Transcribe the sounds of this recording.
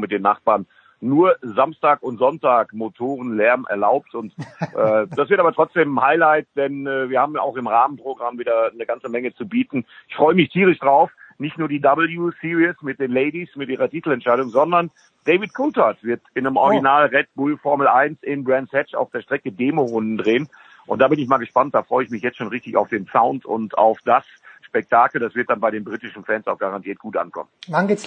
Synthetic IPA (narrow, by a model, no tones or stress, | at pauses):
mɪt̚deːnːa̰χb̥aːɐnː | uːɐzamstaːkʊntz̥ɔntaːkmotʰoːʁ̞ənlɛɐmʔɛ̰ɐlaʊp̚tʊntʔɛːd̥asv̥ɪɐtʔaːbɐtʁ̥ɔt͡sd̥eːmhaɪlaɪt̚d̥ɛnɛːviːɐhaːbm̩a̰ʊxɪmʁaːmənpʁ̥oɡʁamviːdɐnəɡant͡səmɛŋət͡subiːtn̩ɪçfʁ̥ɔʏəmɪçtʰiːʁ̞ɪçd̥ʁaʊfnɪçtnuːɐdiːdabl̩juːsiːʁiəsmɪt̚d̥eːnleɪdismɪtʔiːʁɐtiːtl̩ɛntʃaɪdʊŋzɔndɐn | d̥eɪvɪtkʰʊntʰatv̥ɪɐtɪnəmʔɔ̰ʁɡinaːlʁɛt̚b̥uːlfɔɐml̩ʔaɪnsɪnbʁɛnsɛt͡ʃa̰ʊfd̥eːɐʃtʁ̥ɛkədeːmoʁʊndn̩dʁeːən | ʔʊnt̚d̥aːbɪnɪç̬maːlɡəʃpant̚d̥aːfʁ̥ɔʏəɪçmɪçjɛt͡stt͡ʃʃoːnʁɪçtɪça̰ʊfd̥eːnsaʊntʰʊ̰nta̰ʊfd̥as | ʃpɛk̚tʰaːkl̩d̥asv̥ɪɐt̚d̥anbaɪɾeːnbʁiːtɪʃn̩fɛːnsaʊxɡ̥aʁantʰiːɐt̚ɡ̥uːtʔa̰nkʰɔ̰mənvanɡeːs